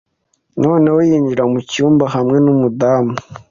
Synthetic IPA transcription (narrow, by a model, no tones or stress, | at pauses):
no̞ːne̞wojiːɲɟiɾamucuːmbaɦamŋe̞numudaːmu